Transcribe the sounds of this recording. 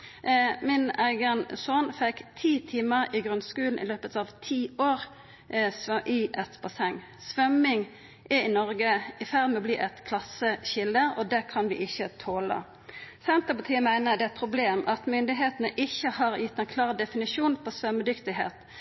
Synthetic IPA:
mɪnæɪɡənsoːnfɛkt̪ʰiːt̪ʰiːməɾɪɡʁʉnskʉːln̩ʔɪ̰løːpət̪ɑʋt̪ʰiːoːʁ | sʔɪʔɛt̪bɑsɛŋː | sʋœmɪŋ | ʔɛɪnɔʁɡəɪfæʁd̪mɛɔbliːʔɛt̪kʰlɑsəɕɪld̪əɔd̪ɛkʰɑnʋɪ̰ʔɪçːət̪ʰoːlə̰ | sɛnt̪əpɑt̪ʰiːəmæɪnəd̪ɛæt̪̚pʰʁʊbleːmʔɑt̪mʏnd̪ɪɦeːt̪nəʔɪçːəhɑʁjɪt̪ːɛɪnkʰlɑːʁd̪ɛfɪnɪʂuːnpʰɔsʋœməd̪ʏkt̪ɪɦḛːt̪

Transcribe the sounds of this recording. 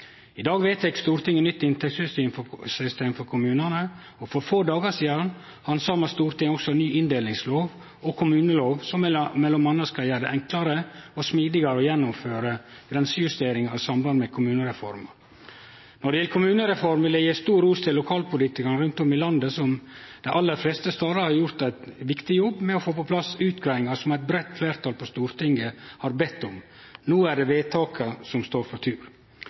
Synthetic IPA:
ɪd̪ɑːɡʋeːt̪ɛkst̪uːɾt̪ʰɪŋːənnʏt̪ːɪnt̪ʰɛk̪sʏst̪yːmfɔsʏst̪eːmfɔɾkʰʊmʉːnənə | ɔfɔɾfoːd̪ɑːɡəsiːd̪ɑn | hɑnsɑːmɑst̪uːɾt̪ɪŋːɔksɔnyːɪnd̪eːlɪŋsloːʋ | ɔkʰʊmʉːnəloːʋsɔmɛlːɔmɑnːəskɑljæːɖ̪əʔɛŋklɑɾəɔsmiːd̪ɪɡɑɾəɔjɛnːʊmføːɾəɡ̥ɾɛnsəjʉst̪eːɾɪŋɑɾsɑmbɑnd̪əmɛkʰʊmʉːnəɾɛfɔ̰ɾmə̰ɾ | nɔɖɛjɛləkʰʊmʉːnəɾɛfɔɾmʋɪld̪ɛjeːst̪uːɾuːst̪ʰɪlːʊkʰɑːlpʊliːt̪ɪkɑɳəɾʉnt̪ɔmɪlɑnd̪əsɔm | d̪̥æʔɑlːəɾfleːst̪əst̪ɑːd̪ɑɾhɑɾjʊɾt̪æɪt̪ʋɪkt̪ɪjɔbːmɛɔfoːpɔpʰlɑsʉːt̪ɡɾæːɪŋɑsɔmæɪt̪̚bɾɛt̪ːfleːɾt̪ʰɑːlpʰɔst̪uːɾt̪ʰɪŋɡəhɑɾbɛt̪ːʊm | nuːæɖɛʋeːt̪ʰɑːkʰəsɔmst̪oːɾfɔɾt̪ʰʉːɾ

